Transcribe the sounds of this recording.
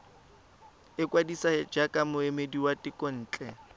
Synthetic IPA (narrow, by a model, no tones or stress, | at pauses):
ɪkwadisaɪd͡ʒakʼamʊemediwatʼɪkʼɔn̩ːt͡ɬʼɛ